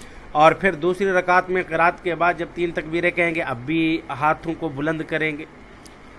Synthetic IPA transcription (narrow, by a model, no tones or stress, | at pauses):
ɔːɾpʰɪɾd̪uːsɾiɾɐkaːt̪mẽqɪɾaːt̪kebaːd̪̚d͡ʒɐb̚t̪iːnt̪ɐkbiːɾekɐɦẽːŋɡeʔɐbːiɦaːt̪ʰõkobʊlə̃nd̪kɐɾẽːɡeː